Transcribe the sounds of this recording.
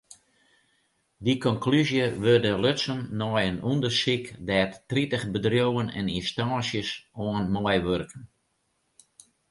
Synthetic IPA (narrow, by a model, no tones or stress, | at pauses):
dikɔnklyzjəʋørdəløtsənːɔjənundərsikdɛːtːritəχbədrjowənɛ̰ninstaːsjəsoənmɔjʋørkən